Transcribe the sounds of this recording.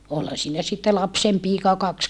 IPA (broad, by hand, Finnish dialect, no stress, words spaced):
olhɑ siːnæ sitːe lɑpsempiːkɑ jɑ kɑks